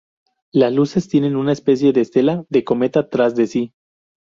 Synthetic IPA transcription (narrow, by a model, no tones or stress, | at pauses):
lazluse̞st̪je̞ne̞nunaespe̞s̬je̞ðeːst̪e̞laðe̞ko̞me̞t̪at̪ɾazðe̞si